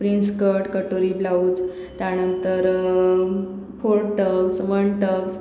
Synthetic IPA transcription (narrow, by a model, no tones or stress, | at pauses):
pɾinskəɾʈkəʈoɾiːblaud͡z | t̪janənt̪əɾ | poɽʈəksʋəɳʈəks